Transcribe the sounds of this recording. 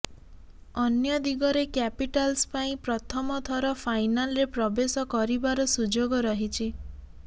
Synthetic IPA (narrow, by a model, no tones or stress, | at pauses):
ɔnjɔd̪iɡɔɾekapiʈalspaĩpɾɔt̪ʰɔmɔt̪ʰɔɾɔpʰajnalɔɾepɾɔbesɔkɔɾibaɾɔsud͡ʒoɡɔɾɔɦit͡ʃʰi